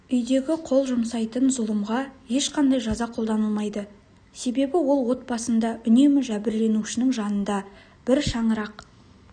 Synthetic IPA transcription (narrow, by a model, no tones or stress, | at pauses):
ʏjd̪e̞ɡʲɪqʰo̞lˠʒʊmsɑjt̪ənzʊlˠəmʁɑje̞ʃqʰɑnd̪ɑjʒɑzɑqʰo̞lˠd̪ɑnəlˠmɑjd̪ə | se̞be̞bɪwo̞lˠwo̞t̪̚pɑsənd̪ɑʔʏne̞mɪʒæbɪɾle̞nuʃɪnɪŋʒɑnənd̪ɑ | b̥ɪɾʃɑɴəɾɑq